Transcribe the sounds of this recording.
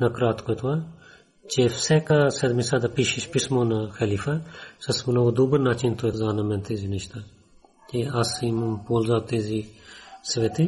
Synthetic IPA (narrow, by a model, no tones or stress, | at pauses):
nɐkɾaːt̪kot̪uɐ | t͡ʃefsɛkasɛd̪misɐd̪ɐpiʃiʃpismonɐxɐlifɐsɐsmunɐʋud̪ubəɾnaːt͡ʃint̪oɛzaːnɐmɛnt̪eziniʃt̪ɐ | t͡ʃeɐsimɐmpoːlzaːbt̪eːzisʋɛt̪i